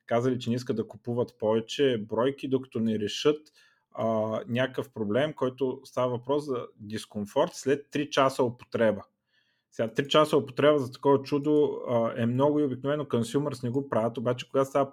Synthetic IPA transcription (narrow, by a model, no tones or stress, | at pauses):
kazəlit͡ʃɛnɛiskət̪d̪ɐkʊpuvət̪pɔvɛt͡ʃɛbɾɔjk̟id̪okɐ̥t̪ɔnɛɾɛʃɤt̪ | ənʲakəfpɾoblɛmkɔjt̪ʊst̪avəvɐpɾɔszɐd̪iskomfɔɾt̪slɛt̪ːɾit͡ʃasəopo̥t̪ɾɛbə | sɛɡat̪ɾit͡ʃasəopo̥t̪ɾɛbəzɐt̪ɐ̥kɔvɐt͡ʃud̪oɛmnɔɡʊiobiknovɛnokonsʲjumɛɾsnɛɡopɾavət̪obat͡ʃɛ̥koɡast̪avə